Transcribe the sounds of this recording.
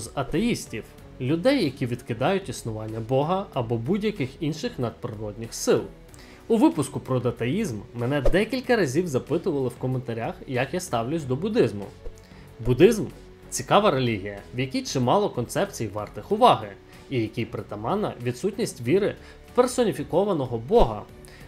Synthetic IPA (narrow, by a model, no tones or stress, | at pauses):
zɐt̪ejisʲtʲiw | lʲʊd̪ɛjːɐkʲiʋʲid̪kɪd̪ɑjʊtʲisnʊʋɑnʲːɐbɔɦɐɐbɔbudʲjɐkɪxinʃɪxnɐd̪̚pɾɪɾɔdʲnʲɪxsɪlˠ | ʊʋɪpʊskʊpɾɔd̪ɐt̪ɐjizmːɛnɛd̪ɛkʲilʲkɐɾɐzʲiwzɐpɪt̪ʊʋɐlˠɪwkɔment̪ɐɾʲaxjɐkjast̪ɑwlʲʊt͡ssʲd̪ɔbʊd̪ɪzmʊ̰ | bʊd̪ɪzm | t͡sʲikɑʋɐɾe̞lʲiɦʲijɐwjɐkʲijt͡ʃɪmɑlˠɔkɔnt̪sɛpt͡sʲijʋɑrt̪ɪxʊʋɑɦɪ | ijɐkʲijpɾɪt̪ɐmɑnɐ̰ʋʲid̪sutʲnʲisʲtʲʋʲiɾɪ | persɔnʲifʲikɔʋɐnɔɦɔbɔɦɐ̰